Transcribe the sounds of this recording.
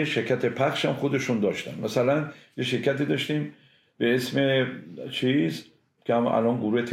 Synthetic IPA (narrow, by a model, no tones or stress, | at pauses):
eʃeɾcʰæt̪ʰe̞pʰæxʃhæmxo̞d̪e̞ʃund̪ɒːʃt̪æ̰nmʔæsælænjeʃe̞ɾkʰæt̪iːd̪ɒʃt̪iːm | be̞esme̞t͡ʃʰis | kʰeæmæ̰lɒːnɡoɾuːhe̞t̪ʰ